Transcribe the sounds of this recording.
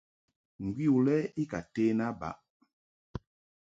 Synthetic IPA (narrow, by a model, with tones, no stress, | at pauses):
ŋ̩˨ɡwi˦u˨lɛ˦i˦ka˨teː˦na˦ba̰˨˦ʔ